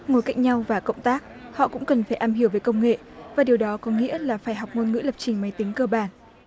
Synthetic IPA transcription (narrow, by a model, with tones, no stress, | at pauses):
ŋo˨˦jka˦˥jk̟̚ɲa˧wvaː˨˩kə̰˧˨wŋ͡mt̪aː˦˥k̚hɔ̰˧˨kʊ̰˧˥ŋ͡mkə˨˩nfaː˧˩jʔaː˧mɦi˧˩əwvəː˨˦jkə˧wŋ͡mŋḛ˧˨vaː˨˩ɗi˨˩əwɗɔ˨˦kɔ˨˦ŋḭ˧˥əlaː˨˩faː˧˩jɦa˨˩wk͡p̚ŋo˧nŋɨ̰˧˥lə˨˩p̚t͡ɕï˨˩ŋ̟ma˨˦jt̪ï˨˦ŋ̟kɨː˧˩ɓaː˧˩n